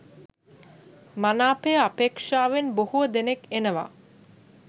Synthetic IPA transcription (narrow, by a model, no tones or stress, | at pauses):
manaːpejəapeːkʂaːʋenbohuəd̪enekenəʋa̰ː